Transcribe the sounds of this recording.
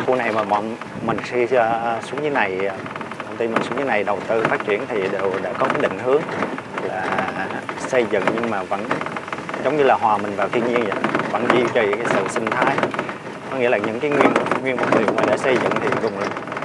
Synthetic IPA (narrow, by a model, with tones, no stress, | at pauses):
xu˧na˨˩jmaː˨˩mː˨ | mï˨˩ŋ̟ssu̥˨˦əŋɲɨ˨˦na˨˩j | t̪ʰə˧wŋ͡mt̪i˧mï˨˩ŋ̟su˨˦ŋɲɨː˨˦na˨˩jɗə˨˩wt̪ɨ˧faː˦˥t̚t͡ɕi˧˩ənt̪ʰi˨˩ɗe˨˩wɗḛ˧˥kɔ˨˦kaː˨˦jɗḭ˧˨ŋ̟hɨ˨˦əŋlaː˨˩ | sə˧jzɨ̰˧˨ŋɲɨ˧ŋmaː˨˩və̰˧˥nzə˨˦wŋ͡mɲɨ˧laː˨˩ɦwaː˨˩mï˨˩ŋ̟vaː˨˩wt̪ʰi˧əɲi˧ənzə̰˧˨və̰˧˥nzi˧t͡ɕɔ˧˩ɲɨ̰˧˩kaː˨˦sɨ̰˧˨sï˧ŋt̪ʰaː˨˧˦j | kɔ˨˦ŋi˧˥əlaː˨˩ɲɨ̰˧˥ŋkaː˨˦jŋwi˧ən˧˨ŋwi˧ənvə˨˧˩ŋ͡mlḭ˨˩ə˩maː˨˩ɗḛ˧˩sə˧jzɨ̰˧˨ŋt̪ʰi˨˩˨zʊ˨˩ŋ͡mlɨ˨˩k